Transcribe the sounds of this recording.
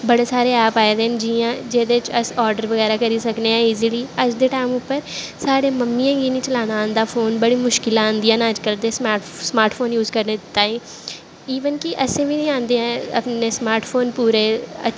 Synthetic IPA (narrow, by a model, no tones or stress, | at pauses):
bəɽeːsaːɾeːaːpaːeːd̪eːnd͡ʒiːãːd͡ʒeːd̪eːt͡ʃəsɔːɾɖəɾʋəɣɛːɾaːkəɾiːsəkneːãiːziliːəd͡ʒd̪eːʈaːɪmʊpːəɾsaːɽeːməmːiːãːɡiːnĩːt͡ʃəlaːnaə̃nd̪aːfʰoːnbəɽiːmʊʃkɪlaãːnd̪ijãːnəd͡ʒkəld̪eːsmaːsmaːɾʈfʰoːnjuːzkəɾneːd̪ɪt̪ːaːĩː | iːʋənkɪʔəsẽːʋiːnĩːãːnd̪eːɦãə̰pneːsmaːɾʈpʰoːnpuːɾeːə̰